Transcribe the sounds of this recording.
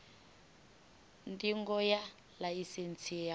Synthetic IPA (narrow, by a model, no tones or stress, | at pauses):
ndʼiŋɡɔja | laisent͡sʰia